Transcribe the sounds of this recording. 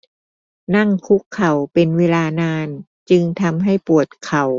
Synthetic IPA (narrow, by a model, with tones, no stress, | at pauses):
na˥˩ŋkʰu˦˥kʰːa˨˩wpe˧nweː˧laː˧naː˧n | t͡ɕɯ˧ŋt̪ʰa˧mɦa˥˩jpu˨˩ət̪̚kʰa˨˩w